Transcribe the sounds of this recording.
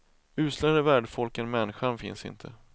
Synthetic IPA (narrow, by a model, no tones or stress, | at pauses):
ʉ̟ːslaɾəvæːɖfɔlkənmɛnːɪɧanfɪ̰nsɪ̰nt̪ʰə